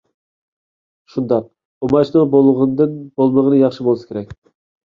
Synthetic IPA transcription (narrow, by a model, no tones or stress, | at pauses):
ʃund̪ɑq | omɑt͡ʃnɨŋbolˠʁnd̪ɨnbolˠməʁənɨjɑχʃɨbolˠsɨ̥kʲeɾɛk̚ʲ